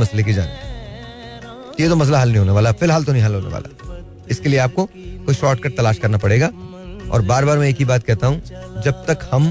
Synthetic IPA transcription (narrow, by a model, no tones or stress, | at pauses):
mɐslek̬id͡ʒa̰ːn | t̪jet̪omɐs̬laɦɐlnɐɦĩɦoːneʋaːlaɦɛfɪlɦaːlt̪onɐɦĩɦɐlɦoːnḛʋa̰ːla̰ɦɛ | ɪskelieaːp̚ko | koːiʃɔːʈkɐɾʈ̚t̪ɐlaːʃkɐɾnapɐɽeːɡa | ɔ̰ːɾbaːɾbaːɾmɛ̃eːkibaːt̪̚kɛɦt̪aɦũd͡ʒɐb̚t̪ɐkhɐm